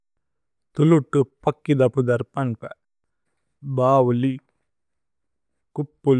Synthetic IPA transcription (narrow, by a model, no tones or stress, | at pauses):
t̪uluʈːupɐkːid̪ɐpud̪ɐɾpɐnkɐ | baːwuli | kupːul